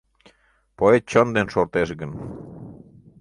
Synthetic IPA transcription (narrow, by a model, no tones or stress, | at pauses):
poet̪̚t͡ɕond̪enʃort̪eʃɣən